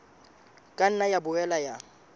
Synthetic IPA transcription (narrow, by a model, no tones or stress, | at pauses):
kʼan̩najabʊɛlaja